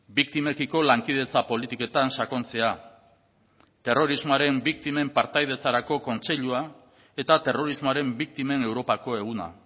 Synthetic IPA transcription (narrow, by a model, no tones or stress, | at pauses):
bik̚t̪ime̞kiko̞laŋkið̞e̞t͡sapo̞lit̪iko̞t̪ansako̞nt͡se̞a | t̪e̞ro̞ɾizmoaɾe̞mbik̚t̪ime̞mpaɾt̪ajð̞e̞t͡saɾako̞ko̞nt͡se̞ʎua | e̞t̪at̪e̞ro̞ɾizmoaɾe̞mbik̚t̪ime̞ne̞wɾo̞pako̞e̞ɣ̞una̰